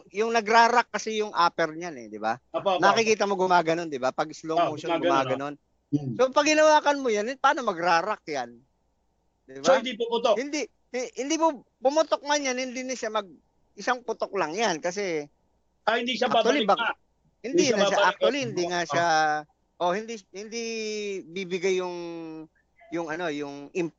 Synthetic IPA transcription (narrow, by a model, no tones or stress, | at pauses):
jʊŋnɐɡɾaːɾakːɐsɛjʊŋʔaːpɛɾɲanɛ̰d̪ɪba̰nɐkɪkiːt̪ɐmo̞ɡʊmaːɡɐno̞nd̪ɪbapɐɡɪslomoʃaɡʊmaːɡɡɐno̞n | so̞pɐɡɪnɐwaːkɐnmojanpaːno̞mɐɡɾaːɾak̚jan | d̪ɪbaoɪnnd̪ipʊpʊt̪ohɪnd̪i | hhɪnd̪imo | pʊmʊt̪ok̚ŋaɲanhɪnd̪inɐʃamɐɡ̚ | ʔɪsaŋpʊt̪ok̚laŋjankɐs̬ɛ | ahɪnd̪iʃaakawaliba | hɪnd̪innɐʃaʔakkt̪wɐlihɪnd̪iŋaʃa | ʔo̞hɪnd̪ihɪnd̪ibibɪɡajːʊŋ | jʊŋɐno̞jʊŋʔɪm